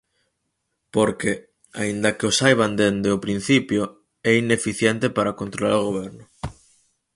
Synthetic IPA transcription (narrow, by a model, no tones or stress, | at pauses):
poɾke | a̰ind̪ɐkeosajβand̪end̪eopɾin̟θipjo | ɛinefiθjɛnt̪epaɾakont̪ɾola̰ɾoɣ̞oβ̞ɛɾnʊ